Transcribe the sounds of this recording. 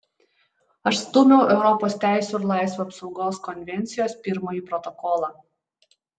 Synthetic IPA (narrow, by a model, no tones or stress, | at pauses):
ɐʃst̪ʊmʲɛʊʔɛʊɾɔpoːst̪ʲæˑɪsʲuːɪɾlˠɑˑɪsʋuɐpsɒʊɡoːskɔnʲʋʲɛnʲt̪sʲɪjoːspʲɪɾmoːjiːpɾɔt̪ɔkɔːlˠɑː